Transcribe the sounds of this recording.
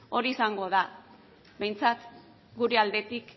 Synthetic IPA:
o̞ɾiːsaŋɡo̞ða | be̞jnt͡sat̪ | ɡuɾe̞ald̪e̞t̪ik

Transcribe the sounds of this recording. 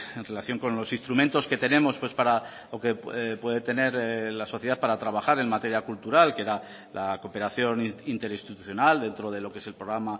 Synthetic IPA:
enre̞laθjo̞ŋko̞nlo̞sinst̪ɾumẽ̞nt̪o̞ske̞t̪e̞ne̞mo̞spwe̞spaɾa | oke̞pwe̞ðet̪e̞ne̞ɾlaso̞θjeaθpaɾat̪ɾaβ̞axaɾe̞nmat̪e̞ɾjakult̪uɾalkeeɾa | lako̞pe̞ɾaθjo̞nint̪e̞ɾist̪it̪uθjo̞nald̪e̞nt̪ɾo̞ðe̞lo̞kee̞se̞lpɾo̞ɣɾama

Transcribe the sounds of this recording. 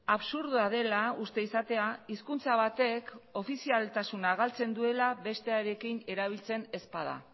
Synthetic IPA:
aβsuɾðuaðe̞laust̪e̞isat̪e̞aiskunt͡saβ̞at̪e̞ko̞fisialt̪asunaɣalt͡se̞nd̪ue̞laβe̞st̪e̞aɾe̞kine̞ɾaβ̞ilt͡se̞ne̞spað̞a̰

